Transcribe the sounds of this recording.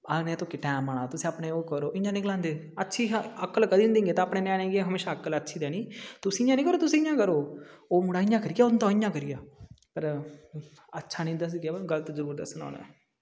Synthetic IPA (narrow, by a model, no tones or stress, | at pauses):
anẽːt̪oːkeʈɛːmaːɳaːt̪ʊsĩːaːpneːoːkəɾoːʔɪjãːnɪkəlãːnd̪eː | ətːʃʰiːəkːəlkəd̪iːnɪ̃nd̪ĩːŋɡeːt̪ãːpɳeːnɛ̃ːnẽːɡeɦəmeːʃaːəkələtːʃʰiːd̪ɛːnĩːt̪ʊsĩːɪjãːnĩːkəɾoːt̪ʊsĩːɪjãːkəɾoːoːmʊɽaːɪjãːkəɾɪjaːʊnt̪ãːɪjãːkəɾɪjaːpəɾ | ətːʃʰaːnĩːd̪əs̬iɡaːɡəlt̪ːzəɾuːɾd̪ə̰səno̰ːnḛ̃ː